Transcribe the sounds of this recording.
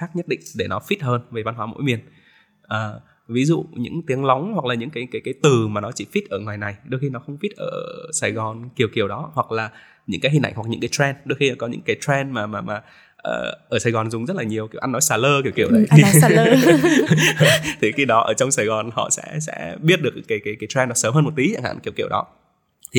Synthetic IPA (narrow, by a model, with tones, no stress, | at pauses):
xaː˦˥k̚ɲə˦˥t̚ɗḭ˧˨ŋ̟ɗe˧˩nɔ˨˦fi˦˥t̚həː˧nve˨˩va˧nɦwaː˨˦mo̰˧˥jmi˨˩ən | ʔəː˨˩ | vi˨˦zṵ˧˨ɲɨ̰˧˥ŋt̪i˨˦əŋla˨˦wŋ͡mhwa˨˩k̚laː˨˩ɲɨ̰˧˥ŋkaː˨˦jkaː˨˦jkaː˨˦jt̪ɨ˨˩maː˨˩nɔ˨˦t͡ɕi˧˩fi˦˥t̚ʔəː˧˩ŋwaː˨˩jna˨˩jɗo˧jxi˧nɔ˨˦xə˧wŋ͡mfi˦˥t̚ʔəː˧˩ʔsaː˨˩jɣɔ˨˩nki˨˩əwki˧˩əwɗɔ˨˦hwa˨˩k̚laː˨˩ | ɲɨ̰˧˥ŋkaː˨˦ɦi˨ŋ̟ʔa˧jŋ̟wa˨˩k̚ɲɨ̰˧˥ŋkaː˨˦t̪ʰɾɛ˧nɗo˧jxi˧ɔ˨˦kɔ˨˦ɲɨ̰˧˥ŋkaː˨˦jt̪ɹɛ˧nmaː˨˩maː˨˩maː˨˩ | ʔə̰ː˨˩ʔəː˧˩saː˨˩jɣɔ˨˩nzʊ˨˩ŋ͡mzə˦˥t̚laː˨˩ɲi˨˩əwki˧˩əwʔa˧nːɔ˨˦jsaː˨˩ləː˧ki˧˩əwki˧˩əwə˨˦˨j | t̪ʰi˨˩xi˧˩ɗɔ˨˦ʔəː˧˩t͡ɕɔ˧wŋ͡msaː˨˩jɣɔ˨˩nhɔ̰˧˨sɛ̰˧˥sɛ̰˧˥ɓi˦˥ət̚ɗɨ˨˩ək̚kaː˨˦jkaː˨˦jkaː˨˦jt̪ʰwɛ˧nɗɔ˨˦səː˨˦mɦəː˧m̚˨˩t̪i˨˦t͡ɕa̰˧˩nha̰ː˧˨nki˨˩əwki˧˩əwɗɔ˨˦ | t̪ʰi˨˩